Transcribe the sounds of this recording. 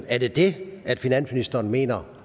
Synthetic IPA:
æɐd̥e̝d̥e̝æd̥finæn̰sminisd̥ɐːnme̝̰ːnɐ

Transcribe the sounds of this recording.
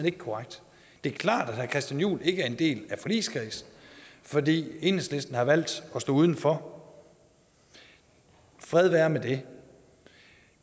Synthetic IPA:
əne̝ɡ̥əkʰɒʁaɡ̥̚d̥ | d̥e̝æɐkʰlɑ̰̈ːd̥æ̥hæɐkʰʁɛsd̥jænjṵːle̝ɡ̥əæɐe̝nd̥e̝̰ːlæfɒ̽lḭːskʰʁḭːsn̩fɒ̽dḭːe̝nesle̝sd̥n̩hɑ̈ʋæl̰d̥ɒ̽sd̥o̰ːuðˠn̩fɒ̽ | fʁɛð̞ˠʋæɐmed̥e̝

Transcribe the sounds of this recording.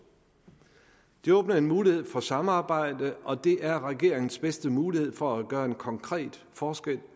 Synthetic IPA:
d̥eɔ̽ːb̥nɐe̝nmuːlihe̝ð̞̰ˠfɒ̽sɑ̈məɑ̈ːb̥ɑ̈ɪ̰d̥əɒ̽d̥e̝ʔæɐʁɛɡ̥e̝̰ɐ̰eŋn̩sb̥esd̥əmuːlihe̝ð̞̰ˠfɒ̽æɡ̥ɶːɐe̝nkʰɒ̽ŋkʰʁɛ̰ːd̥ | fɒːsɡ̥el̰

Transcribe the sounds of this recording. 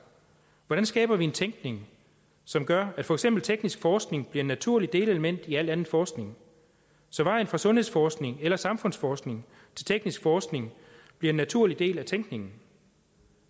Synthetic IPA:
ʋɒɾænsɡ̥ɛ̰ːb̥ɐʋie̝nt͡sʰeŋɡ̥ne̝ŋ | sɒ̽mɡ̥ɶɐæd̥fɒ̽eɡ̥sem̰b̥l̩t͡sʰeɡ̥nisɡ̥fɒːsɡ̥ne̝ŋb̥liɐnæt͡sʰuɐ̰lid̥e̝ːle̝ləmen̰d̥iæl̰d̥ænðn̩ˠfɒːsɡ̥ne̝ŋ | sɒ̽ʋɑ̈ɪn̩fʁɑ̈sɔ̽nhe̝ðˠsfɒːsɡ̥neŋelɐsɑ̈mfɔ̽n̰sfɒːsɡ̥ne̝ŋ | t͡sʰe̝lt͡sʰeɡ̥nisɡ̥fɒːsɡ̥ne̝ŋ | b̥liɐenːæt͡sʰuɐ̰lid̥e̝̰ːlæt͡sʰeŋɡ̥ne̝ŋn̩

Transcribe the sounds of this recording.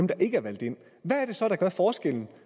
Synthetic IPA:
emd̥ɑ̈ʔe̝ɡ̥əæɐʋæl̰d̥e̝n̰ | ʋæːɐɾ̥e̝sɒ̽ɾ̥ɑ̈ɡ̥ɶɐfɒːsɡ̥el̰n̩

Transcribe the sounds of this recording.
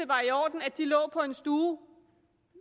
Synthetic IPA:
əʋɑ̈iɒ̰ːd̥n̩æd̥ilɔ̰̽ːpʰɒ̽e̝nsd̥uː

